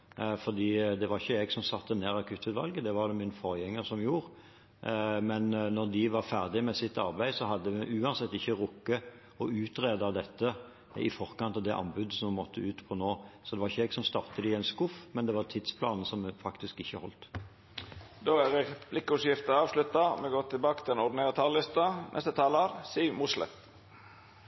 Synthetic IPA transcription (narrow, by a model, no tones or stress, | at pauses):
fɔʁd̪iːd̪ɛʋɑɾʁɪçːəɛɡsɔmsɑt̪ːəneːɾɑkʰʉt̪ʰːʉt̪ʋɑ̰lɡəd̪ɛʋɑɾd̪ɛmɪnfɔɾjɛŋːəɾsɔmjuːʁ | mɛnnɔʁd̪ɪʋɑɾfæʁd̪ɪmɛsɪt̪ːɑ̰ʁbæɪsɔɦɑd̪ːəɛʔʉːɑnsɛt̪ːɪçːəɾʊkːə | ɔʉːt̪ɾeːd̪əɑʋd̪ɛt̪ːə | ɪ̰fɔʁkɑnt̪ɑld̪ɛʔɑ̰nbʉd̪əsɔmmɔt̪ʰːəʉːt̪pʰɔnoːsɔd̪ɛʋɑʁɪçəɛɡsɔmst̪ɑʁt̪əd̪ɪɛnskʊfmɛnd̪ɛʋɑʁt̪ʰɪd̪spʰlɑːnəsɔmfɑkt̪ɪskɪçːəhɔ̰lt̪ | d̪oːæɾɛblɪkːəʉsjɪft̪əɑːʋslʉt̪ːɑmɛɡoːt̪ʰɪlbɑːkət̪ʰɪlɛnɔɖ̪ɪneːɾət̪ʰɑllɪst̪ɑnɛ̰st̪ət̪ʰɑːləɾsiːmʊslə̰t̪